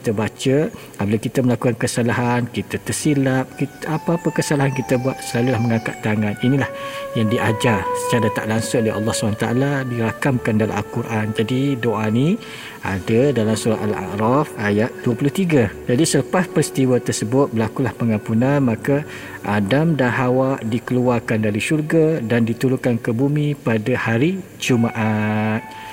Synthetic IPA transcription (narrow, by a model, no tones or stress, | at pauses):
kkit̪əbat͡ʃə | ablakit̪əməlakukankəsalaɦankit̪at̪ərsilap̚kit̪ʔapaːpəkəsalaɦankit̪əbuat̪̚səlalulahməŋãka̰ʔt̪ːaŋaninilahjaŋdiʔad͡ʒasə̥t͡ʃaɾat̪a̰ʔlaŋsʊŋleʔɑ̰lˠːɑhsəbant̪a̰ʔa̰ladiɾakamkandala̰mʔalkuɾʔand͡ʒadidoʔani | a̰dədalamsuɾat̪a̰la̰ʔɾafajat̪̚d̥uəpulʊht̪iɡad͡ʒadisələpaspəɾist̪iwat̪ərsəbʊt̪̚bəlakulahpəŋãmpunanmaka | ʔadamdanɦawaʔdikəluarkandaɾiʃurɡadandit̪uɾuŋkankəbumĩpadahaɾi | d͡ʒumaʔat̪̚